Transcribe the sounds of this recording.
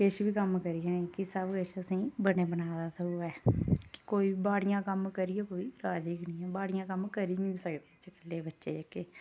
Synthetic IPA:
ɪʃbiːkəmkəɾijãːeːkɪsəbkɪʃəsĩːbəneːbənaːd̪aːsəuːɡaɛkɪ̥koːiːbbaːɽijãːkəmkəɾijɛːkoːiːɾaːd͡ʒiːknĩːɛːbaːɽijãːkəmkəɾiːĩsəkd̪eːt͡ʃkəlːeːbətːʃḛːd͡ʒəkːeː

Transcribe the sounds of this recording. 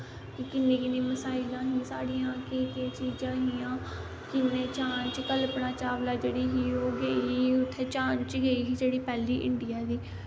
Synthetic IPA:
kɪkɪnːẽːkɪnẽːməsaːɪlãːɦĩːsaːɽiːãːkɪk̪et͡ʃiːd͡ʒãːɦiːãː | kɪnːeːt͡ʃaːnt͡ʃkəlpnaːt͡ʃaːʋlaːd͡ʒeːɽiːɦiːoːɡeːiiːʊt̪ʰːeːt͡ʃãːnt͡ʃɡeːiːɦiːd͡ʒeːɽiːpɛːliːʔɪ̰ɳɖɪjaːd̪iː

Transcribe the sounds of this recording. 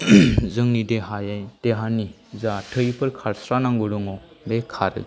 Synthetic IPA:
zɯŋnideɦajajd̥eɦani | zatʰəjpʰɯɾkʰaɾsɾanaŋɡuɾɯŋɔ | bekʰaɾɯ̰

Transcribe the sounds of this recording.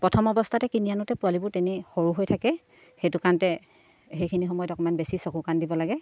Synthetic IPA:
pɹɔtʰɔmɔbɔstʰatɛkinijanʊtɛpualibʊɹtɛnixoɹuɦojtʰakɛ | xejtukantɛ | xejkʰinixɔmɔjɔdɔkɔmanbesisokukandibɔlaɡɛ

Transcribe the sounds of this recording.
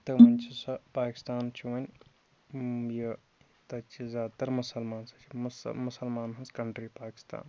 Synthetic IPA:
t̪ɐmɐnʲt͡ʃʰisɐpaːki̥st̪aːnt͡ʃʰuʋɐnʲ | je | t̪ɐt͡ʃʰizʲjaːd̪̚t̪ɐɾmʊsɐlmaːnsɐt͡ʃʰimsmʊsɐlmaːnɦɐnskɐɳʈɾipaːki̥st̪a̰ːn

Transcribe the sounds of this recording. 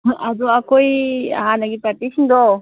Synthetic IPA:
ad̪uakoia̰ɦanaɡipɾat̪isind̪ɔ

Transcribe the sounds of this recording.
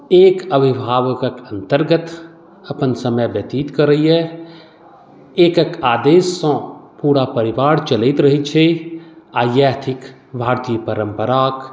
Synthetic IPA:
eːkəbʱɪbʱaːʋəkəkə̃nt̪əɾɡət̪ | ɐpənsəməjbət̪iːt̪kəɾːəɦiɦɛ | eːkəkaːd̪eːsːɔ̃ːpuːɽapəɾɪʋaːɽt͡ʃəlit̪ɾɐɦit͡ʃʰe | aːjaːt̪ʰɪk | bʱaːɾt̪ijəpəɾə̃mpəɾaːk

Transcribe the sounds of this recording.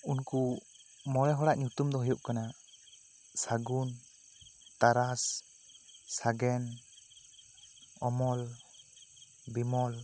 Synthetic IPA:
unku | mɔlɛɦɔɽaʔɲut̪umd̪ɔɦɔjuʔkana | saɡun | t̪aɾas | saɡɛn | ɔmɔl | bimɔl

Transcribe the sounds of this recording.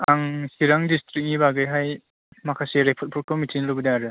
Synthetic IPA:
aŋsiɾaŋdistɾik̚nibaɡɯjɦaj | makʰaseɾepʰɔt̚pʰɔɾkʰɯmitʰinɾɯbɯdaɾɯ

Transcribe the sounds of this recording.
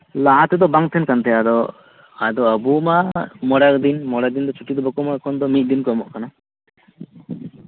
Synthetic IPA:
laɦat̪ɛd̪ɔbaŋt̪ʰɛnkant̪ʰɛjad̪ɔ | ad̪ɔəbumamɔɽakd̪inmɔɽak̚d̪ind̪ɔt͡ʃʰuʈid̪ɔbakɔmakʰɔnd̪ɔmit̪̚d̪inkɔmɔʔkana

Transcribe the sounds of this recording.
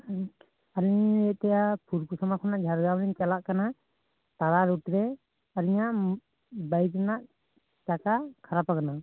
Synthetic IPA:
aɾiɲɛʔt̪ɛjapʰuɾkusɔmakʰɔnaʔd͡ʒʱaɾɡawlɛɲt͡ʃalaʔkana | t̪aɾaɾuʈɾɛ | aɾiɲaʔ | bajknaʔ | t͡ʃakakʰaɾapakana

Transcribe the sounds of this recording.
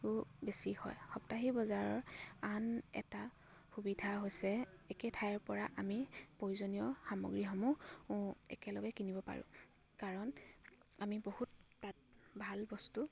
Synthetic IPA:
kubesihɔ̰jxɔptaɦibɔzaɹɔɹanɛ̰ta | xubidʱaɦojsɛɛkɛtʰajɹpɔɹaʔamipojuzonijɔxamɔ̰ɡɹixɔmũ | ɛ̰kɛlɔɡɛkinibɔpa̰ɹʊ̰̃ | kaɹɔn | amibohutː | at̚bʱalbɔstu

